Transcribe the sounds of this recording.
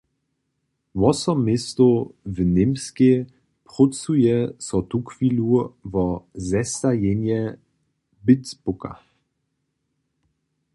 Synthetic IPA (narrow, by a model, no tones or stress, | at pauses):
vɔsɔmːɪst̪ovnɪmske | pʁut͡sujɛsɔt̪ukviluvɔzɛst̪ajɛnjɛ | bɪtt͡spuka̰